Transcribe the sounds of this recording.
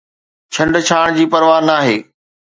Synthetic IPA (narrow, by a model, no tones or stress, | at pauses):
t͡ɕʰɐ̃ɳɖt͡ɕʰaːɽ̃d͡ʑiːpɐɾʋaːnaːɦeː